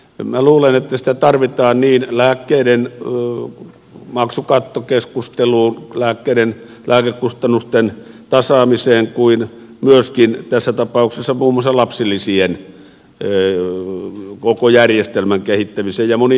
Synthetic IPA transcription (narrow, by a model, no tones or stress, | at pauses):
mnæluːlenet̪ːæsĭ̥t̪æt̪ɑrʋit̪ɑːnniːnlæːkːeiɾen | mɑksukɑt̪ːokeskust̪eluːnlæːkːeiɾen | lʔæːkekkust̪ɑnːust̪en | t̪ɑsɑːmiseːŋkuin | myøskint̪æsːæt̪ɑpɑˑuksesːɑmuːmːoɑsːɑlɑpsilːisien | kokojærjest̪elmæŋkehit̪ːæmiseːjjɑmoni